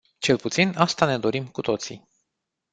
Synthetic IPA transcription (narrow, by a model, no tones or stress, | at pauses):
t͡ʃe̞lput̪sinast̪ane̞d̪o̞ɾimkut̪o̞t̪si